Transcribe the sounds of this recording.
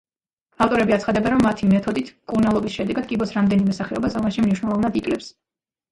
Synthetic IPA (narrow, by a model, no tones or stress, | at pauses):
aft̪ʼɔɾɛbiat̪sχad̪ɛbɛnɾɔmːat̪ʰimɛt̪ʰɔd̪it̪ʰkʼuɾnalˠɔbisʃɛd̪ɛɡad̪kʼibɔsɾamd̪ɛnimɛsaχɛɔbasɔmaʃimniʃwnɛlˠɔvnad̪ikʼlɛps